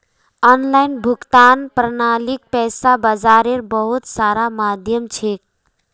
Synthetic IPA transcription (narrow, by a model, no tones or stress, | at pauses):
ɔnlajnbʱukt̪anpɾənalik̚pɛsabad͡ʒaɾeɾbəɦut̪saɾamad̪ʱjəmt͡ʃʰek̚